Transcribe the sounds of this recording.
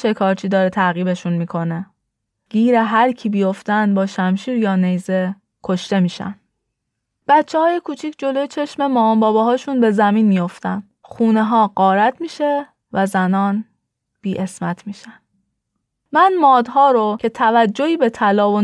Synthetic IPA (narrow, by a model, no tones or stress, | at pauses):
t͡ʃʰe̞kʰɒːɾt͡ʃʰiːd̪ɒːɾet̪ʰæɣiːbeʃunmiːkʰo̞ne | ɡ̥iːɾeɦæɾcʰibijo̞ft̪ænd̪bɒːʃæmʃiːɾjɒːne̞jze̞ | kʰo̞ʃt̪e̞miːʃæ̰n | b̥æt̪t͡ʃʰːehɒːje̞kʰuːt͡ʃʰiːcd͡ʒo̞lojet͡ʃʰe̞ʃme̞mɒːmbɒːbɛɦɒːʃunbe̞zæmiːnmijo̞ft̪æn | xuːneɦɒːɢɒːɾæt̪ʰmiːʃe̞ | væzænɒːn | b̥iːʔesmæt̪ʰmiːʃæn | mænmɒːd̪hɒːɾocʰe̞t̪ʰævæd͡ʒːohiːbe̞t̪ʰælɒːvo